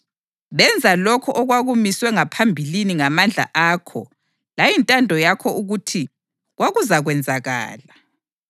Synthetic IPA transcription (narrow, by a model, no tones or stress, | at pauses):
βɛnd͡zʱalɔkʰɔʔɔɣwaɣumiswɛŋapʰambʱiliniŋamand͡ɮʱa̰ʔaːkʰɔ̰ | lajintʼandʱɔjakʰɔuɣutʰi | ɣwaɣuzaɣwɛnd͡zʱaɣa̰ːla